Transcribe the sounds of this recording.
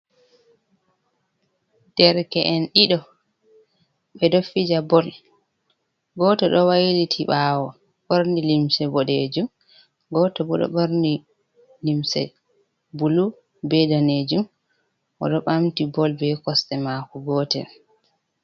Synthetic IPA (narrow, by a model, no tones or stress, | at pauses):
d̥ɛɾkɛʔɛnɗiɗɔ | ɓɛdofid͡ʒabɔl | bɔtɔɗɔwajlitʰiɓawɔ | ɓoɾndilimsɛbɔɗed͡ʒum | ɡɔtɔbɔɗɔ̰ɓoɾndi | limsɛ̰ | bulu | bɛdaned͡ʒum | ʔɔ̰ɗɔɓamtibɔlbɛkɔstɛmaːkuɡɔːtɛ̰